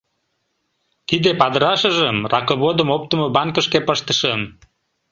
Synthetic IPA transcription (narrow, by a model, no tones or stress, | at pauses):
t̪id̪epɑd̪əɾɑʃəʒəmrɑkoβod̪əmop̚t̪əmobɑŋkəʃkepəʃt̪ə̥ʃəm